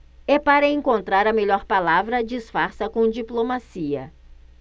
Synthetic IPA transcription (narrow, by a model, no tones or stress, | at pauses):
ɛpaɾɐẽŋkõnt̪ɾaɾɐmeʎɔɾpalavɾɐd͡ʒisfaɾsɐkõd͡ʒiplomasiɐ̰